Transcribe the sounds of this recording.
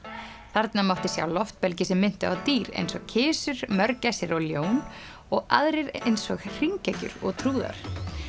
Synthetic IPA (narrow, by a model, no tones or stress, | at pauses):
θaɾt̪namawht̪ɪsja̰ːwlɔft̪̚pɛlcɪsɛmːɪnt̪ʏawt̪iːɾḛjnsɔɣcʰɪːsʏɾ̥mœɾcajsɪɾɔɣljoːwn | ɔɣa̰ðɾɪɾejnsɔɣr̥iŋcɛcʏ̰ɾɔ̰ɣt̪ʰɾuːða̰ɾ̥